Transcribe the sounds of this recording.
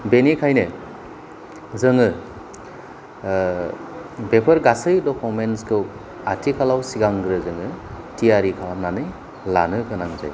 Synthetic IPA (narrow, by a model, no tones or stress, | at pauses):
benikʰajnɯ | zɯŋɯ | bepʰəɾɡasɯjdɔkʰumenskʰɯw | atʰikʰalawsiɡaŋɡɾɯzɯŋɯ | tiaɾikʰalawnanɯj | la̰nɯkʰɯnaŋza̰j